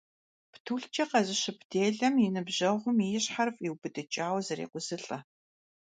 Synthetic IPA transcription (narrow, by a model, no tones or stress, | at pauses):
ptʰuːɬt͡ʃʰʼɐqɐzɪɕɪpʰdeːɮɐmjɪnɨbʑɐʁʷʊmijɪɕħarfʼiwbɨdɨt͡ʃʼaːwzɐɾḛːqʷʊzɨɬʼɐ